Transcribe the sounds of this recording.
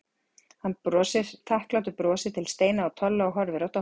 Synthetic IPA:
hanːpɾɔːsɪɾ̥t̪ʰahklawt̪̬ʏpɾɔːsɪt̪ʰɪlst̪eːjnaawt̪ʰœlːaɔwɦɔɾvɪɾɔht̪a

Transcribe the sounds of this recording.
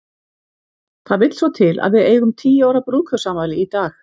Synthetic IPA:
θaðvɪt̪l̥svɔwt̪ʰɪla̰ðvɪðeːjɣʏmt̪ʰiːjaːwɾapɾuːkʰœ̥saːmvaːjlɪit̪aːx

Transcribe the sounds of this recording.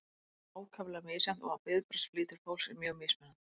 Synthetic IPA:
aːwkʰavlamɪːsan̥t̪ɔɣawpɪðpɾasfliːt̪ʏɾ̥fowlsɪmjœːɣmɪsmɛnːan

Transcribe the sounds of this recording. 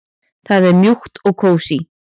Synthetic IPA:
θaðɛɾmjuxt̪ɔɣkʰoːwsi

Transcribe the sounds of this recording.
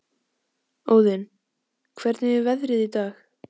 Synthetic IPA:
oːwðɪn | kʰvɛɾt̪nɪvɪvɛðɾɪðit̪aːx

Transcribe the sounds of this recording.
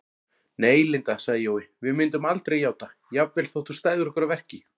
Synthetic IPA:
neːjlɪnt̪asaɣðɪjoːwɪvɪmɪnt̪̬ʏmalt̪ɾejaːwt̪ajapvɛlθowht̪ʰust̪aːjðʏɾɔkɛɾavɛr̥cɪ

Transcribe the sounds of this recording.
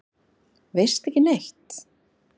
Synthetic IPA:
vejr̥st̪ɛhcɪneht̪

